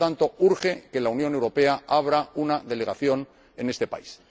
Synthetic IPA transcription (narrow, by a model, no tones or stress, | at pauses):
t̪ant̪o̞uɾxe̞ke̞launjo̞ne̞wɾo̞pe̞aʔaβ̞ɾaunaðe̞le̞ɣaθjo̞n | e̞ne̞st̪e̞pa̰is